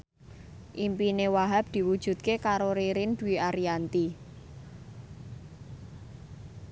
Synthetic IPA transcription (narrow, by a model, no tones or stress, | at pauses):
ʔimpinewaɦab̚d̪̥i̤wud̥ʒ̥ṳt̪̚kekaɾoɾeɾɪnd̪̥ṳwiaɾijant̪i